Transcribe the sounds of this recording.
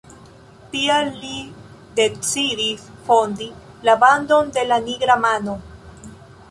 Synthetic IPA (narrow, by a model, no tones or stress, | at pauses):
tiaːi | d̪e̞t͡sidisfo̞ndi | laband̪o̞nde̞laniɡɾamano̞